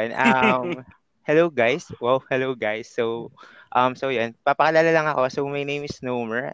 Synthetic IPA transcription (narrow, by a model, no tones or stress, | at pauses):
jnɐm | hɛlowɡajswɛlhɛlowɡajsːowʔɐmsowjonpɐpɐkɐlalalɐŋɐko̞somɐjnẽjmɪsnomɛɹ